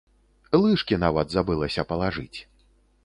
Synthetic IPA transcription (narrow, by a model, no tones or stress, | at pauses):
lˠɨʂkʲinavɐd̪zabɨlˠɐsʲɐpɐlˠaʐɨ̰t͡sʲ